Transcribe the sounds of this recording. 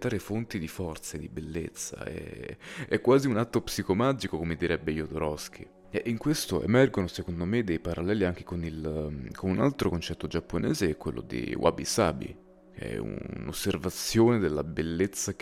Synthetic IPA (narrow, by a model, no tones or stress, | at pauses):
t̪aːɾefont̪id̪ifɔrt̪sed̪ibelːet̪sːa̰ɛ̰ɛkːwaːziunat̪ːopsikomad͡ʒikokomed̪iɾɛbːejod̪oɾɔsk̟ʰḭ | ɛʔiŋkwest̪oʔḛmɛrɡonosekond̪omed̪ejpaɾʔalːɛːliaŋk̟e̥konilkʰonuna̰lt̪ɾokont͡ʃɛt̪ːod͡ʒapːonɛːzekwḛlːo̰d̪ḭwʔa̰bḭsa̰ːbḭ | kɛ̰ṵno̰sːervat̪sːjoːned̪elːabelːet̪sːa